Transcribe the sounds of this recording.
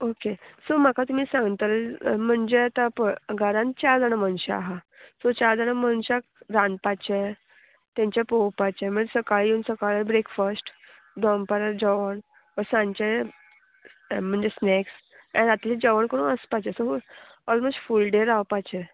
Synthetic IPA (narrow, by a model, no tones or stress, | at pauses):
okesɔm̤akat̪um̤iːsãŋɡt̪əlm̤əɳd͡zeat̪apəɡʱəɾãnt͡ɕaɾd͡z̪aɽəmənɕaːɦa | sɔt͡ɕaɾd͡zaɽ̃əmənɕak̚ɾãnpat͡ɕe | t̪jãɲt͡ɕjapowpat͡ɕẽm̤əɳd͡ʑesəkaɭjiunsəkaɭebɾekfəsʈ | d̪ɔmpəɾad͡ʑəʋəɳ | ʋəɾsãɲt͡ɕe | m̤əɳd͡zesneks | ã̰ɾat̪it͡ɕed͡ʑəʋəɳkəɽũːnəspat͡ɕesɔɦo | ɔlmɔsʈfulɖeɾawpat͡ɕɛ